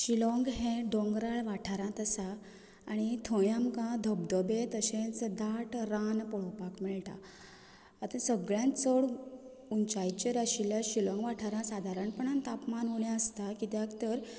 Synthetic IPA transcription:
ɕilɔ̃ŋɡɦɛ̃ɖɔ̃ŋɡɾaɭʋaʈʰaɾãt̪asaː | ɽ̃it̪ʰɔ̃jamkãd̪ʱəb̚d̪əbet̪əɕẽt͡sd̪aʈɾanpɔɭɔpakmiɭʈa̰ː | t̪əsəɡɭjãnt͡səɭ | uɲt͡ɕajt͡ɕəɾaɕilaɕilɔ̃ŋɡʋaʈʰaɾãsad̪ʱaɾəɳpəɳant̪apmanɦoɳjãəst̪akit̪jãkt̪əɾ

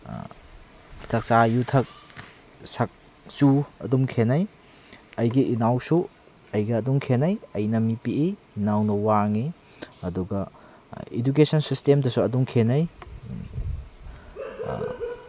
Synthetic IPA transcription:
sɐk̚t͡ʃajutʰɐk̚ | sɐk̚ | t͡ʃuɐ̰dumkʰenɐj | ɐjɡiʔinawsu | ɐjɡɐːduŋkʰenɐjɐjnɐmipieː | nawnɐwaŋi | ɐduɡɐ | id͡ʒukesɐnsistemdɐsuɐduŋkʰenɐj

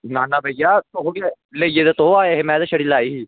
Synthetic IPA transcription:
naːnaːbʱəjaːt̪oɦoːɡa | lejed̪at̪oɦoaːeɦemɛ̃ːd̪aʃəɽilaːiɦiː

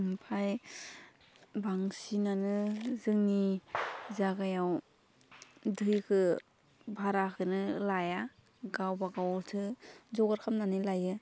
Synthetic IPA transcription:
mpʰaj | baŋsinanɯzɯŋni | zaɡajaw | dɯjkʰɯ | bʱaɾakʰɯnɯlaja | ɡawbaɡawtʰɯzɔɡaɾkʰamnanɯlajɯ

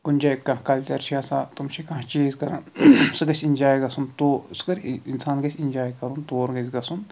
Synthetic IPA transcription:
ɡunʲd͡ʒakːɐ̃kɐlt̪ʲɐɾʃʰijasa̰ːt̪umt͡ʃʰikɐ̃t͡ʃiːzkɐɾansɨɡɐsʲinʲd͡ʒaːjɡɐsunt̪oːskɐɾinsaːnɡɐsʲind͡ʒaːjkɐɾunt̪oːɾŋɡɐzʲɡɐsun

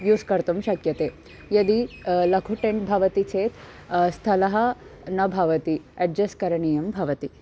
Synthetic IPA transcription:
juːskɐɾt̪ɐmʃɐkjɐt̪eː | jɐd̪ilɐkʰuʈembʱɐʋɐt̪it͡ʃʰeːt̪ | st̪ʰɐlɐɦɐ | nɐbʱɐʋɐt̪iɐɖ̚d͡ʒɐskɐɾɐɳijɐmbʱɐʋɐt̪i

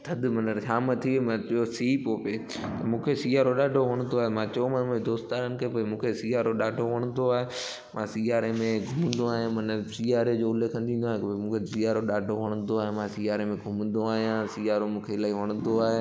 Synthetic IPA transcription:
t̪ʰɐd̪ɪmɐnəɾʃaːmɐt̪ʰimɐ̃osiːpoːpeː | t̪ɐmũːkʰesiːaːɾoɗaːɖʱoʋɐɽ̃nd̪oaːɦemãːt͡ɕɐomɐnmːed̪oːst̪aːɾənɪ̆kʰeːpoːimũːkʰesiːaːɾoɗaːɖʱoʋɐɽ̃ə̃nd̪oaːɦe | mãsiaːɾemẽɡʱʊmnd̪oaːɦijãmɐnəɾsiːaːɾed͡ʑoʊlekʰɐ̃nd̪ĩːnd̪oaːɦẽomũːkʰesiːaːɾoɗaːɖʱoʋɐɽ̃ənd̪oaːɦemãːsiaːɾemẽɡʱʊmnd̪oaːɦijãsiːaːɾomũːkʰelaːiʋɐɽ̃ʊ̃nd̪oaːɦe

